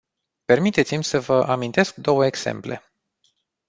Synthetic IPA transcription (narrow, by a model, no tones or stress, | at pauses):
pe̞rmit̪e̞t̪simʲsəvəʔamint̪e̞sk̚d̪o̞wəeɡz̥ḛmple̞̰